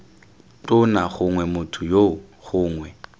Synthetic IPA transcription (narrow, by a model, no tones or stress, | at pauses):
tʼʊnaχʊŋwɛmʊtʰʊjo | χʊːŋwɛ